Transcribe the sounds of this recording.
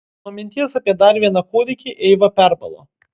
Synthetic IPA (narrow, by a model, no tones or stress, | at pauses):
nomʲɪnʲt̪ʲiːjosɐpʲiɛd̪ɐɾʋʲiɛnɑkoːd̪ʲɪkʲiʔɛɪʋɐpʲæɾbɐ̰lˠo̰ː